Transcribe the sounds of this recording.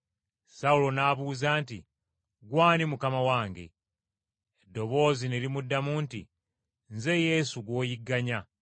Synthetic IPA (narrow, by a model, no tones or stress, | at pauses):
saulo̞naːβuːzaːntḭ | ɡwaːnimukamawaːŋɡe̞̰ | edːo̞βo̞ːziniɾimudːamuːntḭ | nze̞je̞ːsuɡwo̞ːjiɡːaɲa